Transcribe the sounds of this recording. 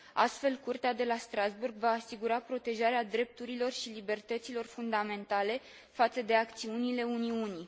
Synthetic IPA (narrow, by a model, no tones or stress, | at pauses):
a̰st̪fe̞lkurt̪ead̪e̞last̪ɾazburɡvaːsiɡuɾapɾo̞t̪e̞ʒaɾead̪ɾe̞p̚t̪uɾilo̞rʃilibe̞rt̪ət̪silo̞rfund̪ame̞nt̪ale̞ | fat̪səd̪e̞akt̪siunile̞uniuni